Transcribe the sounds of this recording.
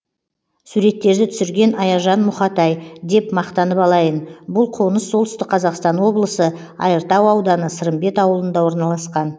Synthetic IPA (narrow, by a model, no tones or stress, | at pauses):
suɾe̞t̪ːe̞ɾd̪ɪt̪ʰʏsɪɾɡʲe̞nɑjɑʒɑnmʊχɑt̪ɑjd̪e̞pmɑqt̪ɑnəpɑlˠɑjənbʊlˠqʰo̞nəsːo̞lˠt̪ʏ̥st̪ɪk̚qʰɑzɑqst̪ɑnwo̞blˠəsə | ɑ̰jəɾt̪ɑwɑwd̪ɑnəsəɾəmbe̞t̪ɑwəlˠənd̪ɑwo̞ɾnɑlˠɑsqɑn